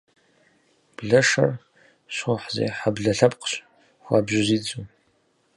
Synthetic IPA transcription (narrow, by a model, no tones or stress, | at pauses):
b̥ɮɐʂɐ̰r | ɕʊħzḛːħabɮɐɬɐpʼqɕ | xʷaːbʑɪziːd͡zʼu